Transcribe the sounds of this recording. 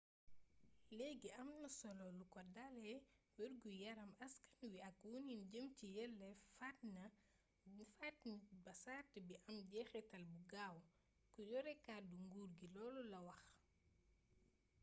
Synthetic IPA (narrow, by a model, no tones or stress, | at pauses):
lɛɡiʔɐmnɐsɔlɔlukɔdalɛwiɾɡujɐɾɐmɐskɐ̥nwiɐkwuninɟəmcijɛlːɛfatnɐ | fatnibɐsaːtəbiʔɐmɟɛxɛtɐlbuɡaːw | kuɟɔɾɛkaduŋɡuːɾɡilɔːlɔlɐwɐx